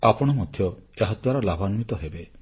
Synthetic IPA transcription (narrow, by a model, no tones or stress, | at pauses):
apɔɽ̃ɔmɔd̪ʱjɔeɦɔt̪waɾɔlabʱanmit̪ɔɦebe